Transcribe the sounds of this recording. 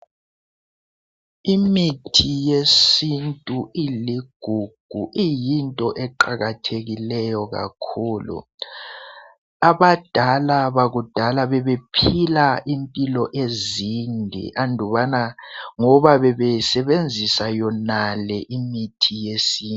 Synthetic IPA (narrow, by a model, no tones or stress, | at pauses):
imitʰijesintʼuiliɡ̥ʱuɡ̥ʱuʔijintʼɔʔɛǃaɣatʰeɣilɛjɔɣa̰kʰuːlṵ | aβad̥ʱalaβaɣud̥ʱalaβɛβepʰilaʔimpʼilɔʔezindʱḭʔandʱuβanaŋɔβaβɛβɛsɛβend͡zʱisajɔnalɛʔimitʰijesiː